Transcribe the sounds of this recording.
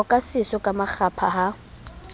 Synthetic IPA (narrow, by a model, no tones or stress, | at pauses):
ɔkʼasɪsɔkʼamak͡xʰapʰa̰ɦa